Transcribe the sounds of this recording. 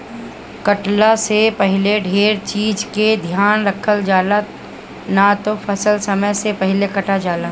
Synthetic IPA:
kɐʈlasepɐɦleɖʱeːɾt͡ʃiːd͡ʒked̪ʱjaːnɾəkʰəld͡ʒaːla | nat̪ofʰɐsəlsɐməjsepɐɦɪlekɐʈad͡ʒaːla

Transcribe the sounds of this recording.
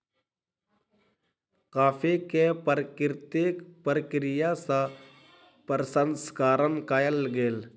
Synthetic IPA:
kaːfʰekepəɾkɪɾt̪eːkpəɾəkɾɪjasa | pəɾsənskaːɾənkaːjəlɡeːl

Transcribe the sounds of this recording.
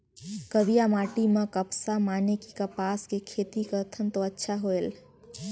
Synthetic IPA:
kəbijamaʈimẽkəpsamanekikəpaːskekʰeːt̪ikəɾt̪ʰənt̪oətːʃʰaɦoel

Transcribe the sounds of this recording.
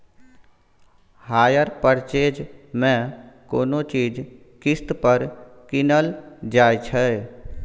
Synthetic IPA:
haːjəɾpəɾt͡ʃeːd͡ʒmẽkoːnot͡ʃiːd͡ʒ | kɪst̪pəɾkɪnəld͡ʒaːjt͡ʃʰɛ

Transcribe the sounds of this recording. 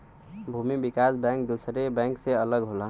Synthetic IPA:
bʱumibikasbɛ̃ŋk̚d̪usɾebɛ̃ŋkseələɡɦola

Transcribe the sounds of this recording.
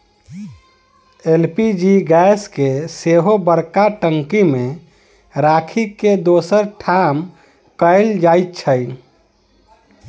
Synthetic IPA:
elpid͡ʒiɡɛskeseɦobəɾkaʈəŋkimẽ | ɾakʰiked̪osəɾʈʰam | kəɪld͡ʒajt̪t͡ʃʰəj

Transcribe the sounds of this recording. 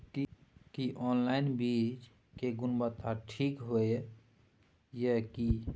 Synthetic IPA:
kikiʔɔnlainbit͡ʃ | keɡunbət̪ʰːaʈʰikɦoj | jəki

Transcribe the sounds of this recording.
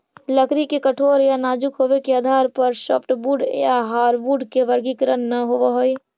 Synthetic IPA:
ləkɾikekəʈʰoːɾjanaːd͡ʒukɦobekeaːd̪ʱaːɾpəɾsəpʰʈbuɖjaɦaːɾbuɖkeʋəɾɡikɾənːəɦoʋaɦoi

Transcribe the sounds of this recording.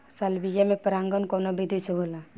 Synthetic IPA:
salbijamẽpəɾãŋɡənkonobʱid̪ʱiseɦola

